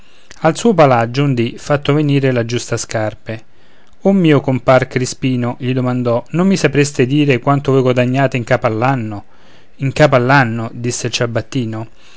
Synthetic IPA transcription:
alsuːopalad͡ʒːʊund̪ifat̪ːoveniːɾelad͡ʒust̪askarpe | umːiːokomparkɾispiːnoʎid̪omand̪ɔnomːisapɾest̪ɪd̪iːɾekwant̪ovojɡwad̪aɲːaːt̪eiŋkaːpalːanːo | iŋkaːp̬alːanːod̪isːelt͡ʃabːat̪ːiːno

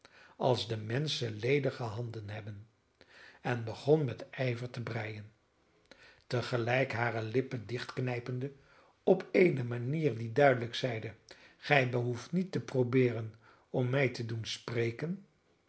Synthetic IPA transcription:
ɑlˠzdəmɛnsəlejdəχəɦɑndənɦɛbən | ɛnbəχɔnmɛtɛjvəɹtəbrɛjən | təχəlɛjkɦaːrəlɪpədɪχtknɛjpəndə | ɔpʰejnəmaniːrdidœɥdələksɛjdə | χɛjbəɦuftnitːəprowbɪːɾən | ɔmːɛjtədunsprejkən

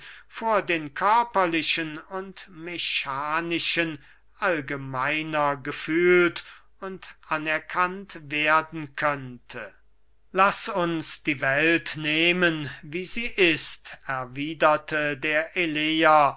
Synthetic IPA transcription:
foːɐdeːnkʰœɐpɐlɪʃənʊntmeʃaːnɪʃən | ʔalɡəmaɪnɐɡəfyːlt | ʊntʔanɛɐkʰantveɐdn̩kʰœntʰə | lasʊnsd̥iːvɛltneːmənviːziːʔɪstɛɐviːdɐtʰədeːɐʔeleːɐ

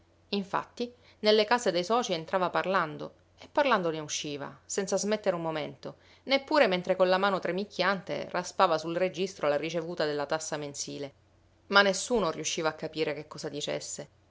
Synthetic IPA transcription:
iɱfa̰t̪ːi | nelːekaːsed̪ejsɔːt͡ʃient̪ɾaːvaparland̪o̰ | epːarland̪oneuʃːiːva̰sɛnt̪sazmet̪ːeɾummoment̪o | nepːuːɾement̪ɾekolamaːnot̪ɾemikʰːjant̪ḛraspaːvasulred͡ʒist̪ɾolarit͡ʃevuːt̪ad̪elːat̪asːamensiːle | manːesːuːnoriuʃːiːvaːkːapiːɾekekːɔːsad̪it͡ʃḛsːe

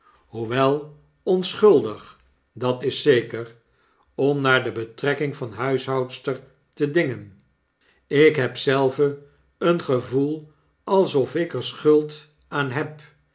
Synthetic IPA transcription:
ɦuʋɛlˠ | ɔnsχɵlˠdəχ | dɑtɪsejkər | ɔmnaːɹdəbətrɛkɪŋvɑnɦœɥsɦɑwtstəɹ | tədɪŋən | ɪkɦɛpsɛlˠvə | ənχəvulˠ | ɑlˠsɔfɪkəɹsχɵlˠt | aːnɦɛp

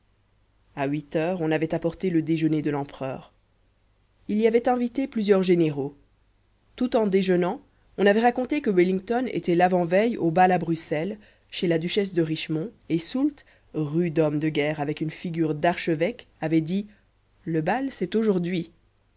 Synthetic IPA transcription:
awit̪œːʁɔ̃navɛt̪apɔʁt̪eləd̪eʒəned̪əlɑ̃pχœ̰ːʁ | iliavɛt̪ɛ̃vit̪eplyzjœʁʒeneʁo | t̪ut̪ɑ̃d̪eʒənɑ̃ | ɔ̃navɛʁakɔ̃t̪ekəwilĩŋt̪ɔnḛt̪ɛlavɑ̃vɛjobalabʁysɛl | ʃelad̪yʃɛs̬d̪əʁiʃmɔ̃esult̪ | ʁyd̪ɔmd̪əɡɛːʁavɛkynfiɡʲyːʁd̪aʁʃəvɛk | avɛd̪i | ləbalsɛt̪oʒuʁd̪ɥi

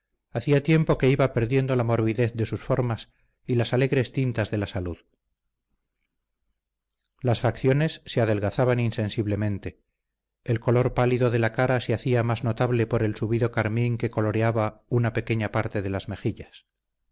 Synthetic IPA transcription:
aθiat̪je̞mpo̞ke̞iβape̞ɾðje̞nd̪o̞lamo̞ɾβiðe̞θðe̞susfo̞ɾmas | ilasale̞ɣɾe̞st̪int̪azðe̞lasaluð | lasfakθjo̞ne̞sːe̞aðe̞lɣaθaβaninse̞nsiβle̞mẽ̞nt̪e̞ː | lko̞lo̞ɾpaliðo̞ðe̞lakaɾaseaθiamazno̞t̪aβle̞po̞ɾe̞lsuβiðo̞kaɾmiŋke̞ko̞lo̞ɾeaβaunape̞ke̞ɲapaɾt̪e̞ðe̞lazme̞xiʎas

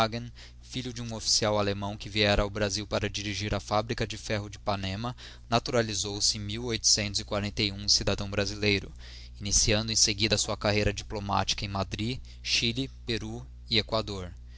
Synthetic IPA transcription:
aɡẽn | fiʎʊd͡ʒɪũofi̥siawalemɐ̃w̃kɪviɛɾɐːwbɾaziwpaɾɐd͡ʒiɾiʒiɾɐfabɾikɐd͡ʒɪfɛɦʊd͡ʒɪpanẽmɐ | nat̪uɾalizowsɪẽj̃miwojt̪ʊ̥sẽnt̪ʊzɪkwaɾẽnt̪ejũsid̪ad̪ɐ̃w̃bɾazilejɾʊ | inisiɐ̃nd̪ʊẽseɡid̪ɐsuɐkaɦejɾɐd͡ʒiploma̰t͡ʃi̥kɐẽj̃mad̪ɾi | ʃilipeɾu | iekwad̪oɾ

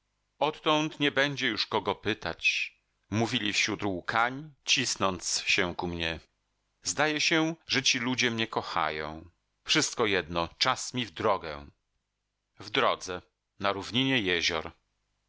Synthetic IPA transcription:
ɔt̪ːɔnt̪ɲɛbɛɲd͡ʑɛjuʂkɔɡɔpɘt̪a̰t͡ɕ | muvʲilʲifɕɾut̪wkʰaɲt͡ɕisnɔnt̪sɕɛkumɲɛ | zd̪ajɛɕɛʐɛt͡ɕilud͡ʑɛmɲɛkɔxa̰jɔ̰̃w̃ | fʂɘst̪̚kɔjɛd̪nɔt͡ʂasmʲivd̪ɾɔɡɛ̰ | vd̪ɾɔd̪zɛ | naɾuvɲiɲɛjɛʑɔ̰ɾ

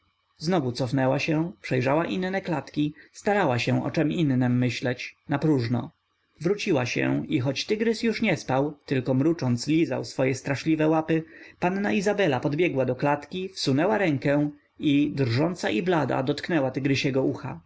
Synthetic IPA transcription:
znɔvut̪sɔfnɛwaɕɛ̃pʂɛjʐawaʔinnɛklat̪kʲist̪aɾawaɕɛ̃ʔɔ̰t͡ʂɛminːɛmːɘɕlɛt͡ɕnapɾuʐnɔ̰ | vɾut͡ɕiwaɕɛ̰ixɔt͡ɕt̪ɘɡɾɘsjuʂɲɛspawt̪ɘlkɔmɾut͡ʂɔnt̪slʲiza̰wsfɔjɛst̪ɾaʂlʲivɛwapɘpanːaizabɛlapɔd̪bʲjɛɡwad̪ɔklat̪kʲifsunɛwaɾɛŋkɛ | id̪ɾʐɔnt̪saʔiblad̪a̰d̪ɔt̪knɛwat̪ɘɡɾɘɕɛɡɔuxa̰

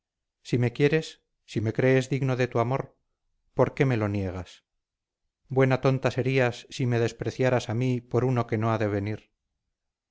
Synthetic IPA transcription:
sime̞kje̞ɾe̞sː | ime̞kɾe̞ːzðiɣno̞ðe̞t̪uamo̞ɾ | po̞ɾke̞me̞lo̞nje̞ɣas | bwe̞nat̪o̞nt̪ase̞ɾiasːime̞ðe̞spɾe̞θjaɾasamipo̞ɾuno̞ke̞no̞aðe̞β̞e̞niɾ

